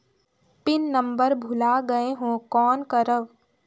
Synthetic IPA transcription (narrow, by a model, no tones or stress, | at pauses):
pɪnːəmbəɾbʱʊlaɡəeɦõːkɔːnkəɾəʋ